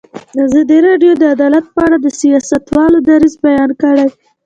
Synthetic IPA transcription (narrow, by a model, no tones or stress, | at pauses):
d̪əazɑd̪iɾɑɖjod̪əad̪ɑlat̪̚pəaɽad̪əsijɑsat̪wɑlod̪aɾizbajɑnkəɽaj